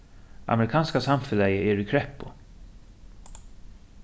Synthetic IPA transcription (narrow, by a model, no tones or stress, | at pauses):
a̰mɛɾɪkʰɑːnskasamfʏlɛjəʔɛɾikʰɾɛpːʊ